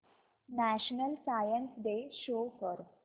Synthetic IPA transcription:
næɕnəlsajənsɖ̪eʃoːfɔɾ

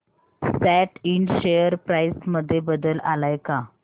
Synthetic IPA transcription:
sæʈiɳɕejəɾpɾajsməd̪ʱːjebəd̪əla̰lajka

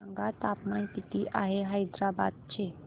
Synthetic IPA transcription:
əŋɡat̪apmaĩpit̪iʔaɦeɦəjd̪ɾaba̰d̪̚t͡ʃʰe

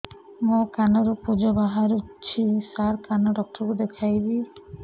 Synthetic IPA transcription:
mokanɔɾupud͡ʒɔbaɦaɾut͡ʃʰisaɾkanɔɖɔk̚ʈɔkud̪ekʰajbi

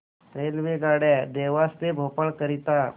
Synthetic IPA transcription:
t̪ɾelʋeɡaɽɛd̪eʋast̪ebʱopəɭkəɾit̪a

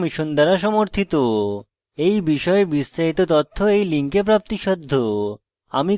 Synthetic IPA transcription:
miʃond̪ɛɾaʃɔmoɾt̪ʰit̪o | ejbiʃɔebist̪aɦit̪ot̪ɔt̪ʰːoejliŋkep̬ɾap̚t̪iʃɔd̪ʱːo | a̰mi

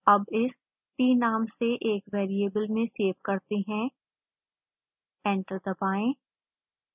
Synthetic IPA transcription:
ɐbɪs | ʈiːnaːmseʔeːkʋeːɾieːbəlmẽseːʋkɐɾt̪eɦɛ̃ | ɛ̃ːɳʈəɾd̪ɐpaːẽː

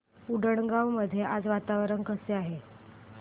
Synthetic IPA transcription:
uɖəɳɡãwməd̪ʱːjeʔad͡zʋat̪aʋɾənkəseaɦe

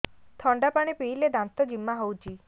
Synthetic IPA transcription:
t̪ʰɔɳɖapaɽ̃epiiled̪ãnt̪ɔd͡ʒimːaɦowt͡ʃʰi

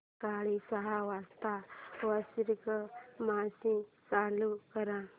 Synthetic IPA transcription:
kaːɭisaɦaʋast̪aʋəsiɾkəmaːsĩt͡saːlukəɾã

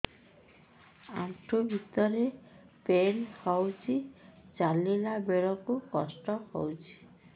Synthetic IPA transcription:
a̰ʈʰubʱit̪ɔɾepenhawt͡ʃʰid͡ʒalilabeɭɔkukɔ̰sʈɔhɔ̰wt͡ʃʰi̥

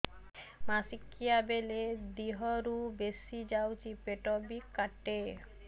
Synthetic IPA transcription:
masikːijabeled̪iɦɔɾubesid͡ʒawt͡ʃʰipeʈɔbikaʈe

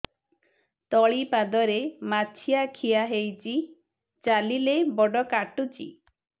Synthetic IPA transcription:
t̪ɔɭipad̪ɔɾemat͡ʃʰijakʰijaɦejt͡ʃi | t͡ʃalilebɔɖɔkaʈut͡ʃḭ

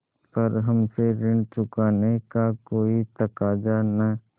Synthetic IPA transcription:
pɐɾɦɐmseɾɪ̃ɳt͡ʃʊkaːnekakoːit̪ɐkaːd͡ʒana

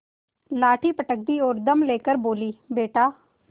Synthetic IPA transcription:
laːʈʰiːpəʈək̚d̪iːoːɾd̪əmleːkəɾboːliːbeːʈaː

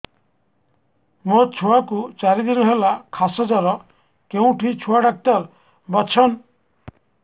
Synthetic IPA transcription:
mot͡ʃʰuakut͡ʃaɾid̪inɔɦelakʰasɔd͡ʒaɾɔ | keũʈʰit͡ʃʰuaɖak̚t̪al | bɔt͡ʃʰɔn

